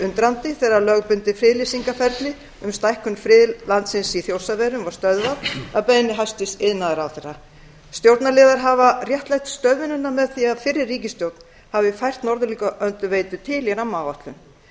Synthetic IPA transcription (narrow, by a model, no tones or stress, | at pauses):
ʏnt̪ɾant̪ɪθɛːɾaɾlœɣpʏnt̪ɪfɾɪːðlisiŋkafɛɾt̪lɪ | ʏmst̪ajhkʏnfɾɪðlant̪sɪnsiθjowsavɛːɾʏmvaɾ̥st̪œðvaðaðpejnɪɦajst̪ɪst̪ɪðnːaðɪɾawθɛrːa | st̪jowɾt̪nalɪðaɾɦavarjɛht̪lajçt̪st̪œðvɪnʏnːamɛðθiaðfɪrːɪrːiːcɪst̪jowt̪n̥ | havɪfajr̥t̪nɔɾðʏlikʏʔœnt̪ʏveːjt̪ʏt̪ʰɪljɛɾawmaːwaht̪lʏn